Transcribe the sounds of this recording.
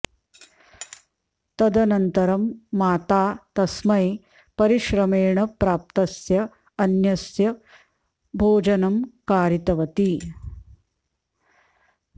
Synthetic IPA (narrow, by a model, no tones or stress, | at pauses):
t̪ɐd̪ɐnɐnt̪ɐɾɐmːaːt̪aːt̪ɐsmɐj | pɐɾiʃɾɐmeːɳɐpɾaːp̚t̪ɐsjɐ | ɐnjɐsjɐ | bʱoːd͡ʒɐnɐmkaːɾit̪ɐʋɐt̪i